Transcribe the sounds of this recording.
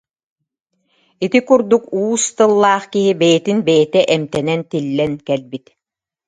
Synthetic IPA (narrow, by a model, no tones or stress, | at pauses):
it̪ikuɾd̪ukuːst̪ɯlˠːaːχkiɦibɛjɛt̪inbɛjɛt̪ɛʔɛmt̪ɛnɛnt̪ilːɛnkɛlbit̪